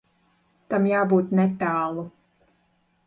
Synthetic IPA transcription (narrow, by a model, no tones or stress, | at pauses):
t̪amjaːbuːt̪nɛt̪aːlˠu